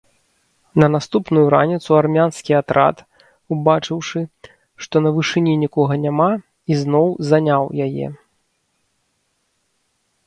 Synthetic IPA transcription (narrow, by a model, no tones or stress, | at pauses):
nɐnast̪upnujuɾa̰nʲit̪suarmʲanskʲiat̪ɾa̰t̪ | ubat͡ʂɨwʂɨ | ʂt̪ɔnɐvɨʂɨnʲinʲikɔɣɐnʲama | iznɔwzanʲawjajɛ̰